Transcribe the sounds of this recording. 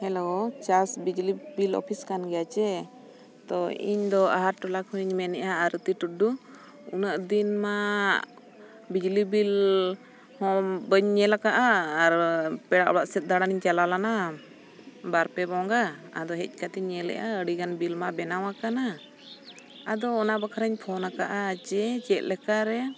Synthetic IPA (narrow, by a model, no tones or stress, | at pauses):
hɛlot͡ʃasbid͡ʒlibilɔ̰pʰiskanɡɛjat͡ʃɛ | t̪ɔḭɲd̪ɔaɦaɾʈɔlakhuɲmɛnɛʔaːɾət̪iʈuɖu | unəʔd̪inma | bid͡ʒlibil | hɔmbəɲːɛlakaʔaːɾpɛɽaʔɔɽaʔsɛt̪̚d̪aɽaniɲt͡ʃalalana | baɾpɛbɔŋɡaa̰d̪ɔɦɛc̚ˀkat̪iɲːɛlɛ̰ʔaəɽiɡanbilmabɛnawakana | ad̪ɔːnaʔbakʰaɾəɲpʰɔnakaʔat͡ʃɛt͡ʃɛt̪̚lɛkaɾɛ